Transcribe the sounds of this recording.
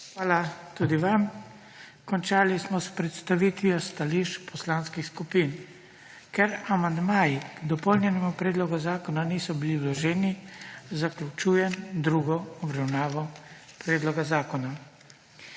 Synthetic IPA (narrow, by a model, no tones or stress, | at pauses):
xʋaːlat̪uːd̪iʋam | kɔnt͡ʃaːlismɔspɾɛt̪st̪aʋiːt̪ʋiɔst̪aliʃt͡ʃpʰɔslaːnskixskupiːn | kɛɾamand̪maːjid̪ɔpɔwnjɛnɛmupɾɛːd̪lɔɡazaːkɔnanisɔbiliwlɔʒɛːnizaklʲut͡ʃuːjɛnd̪ɾuːɡɔɔbɾawnaːʋɔ | pɾɛːd̪lɔɡazaːkɔna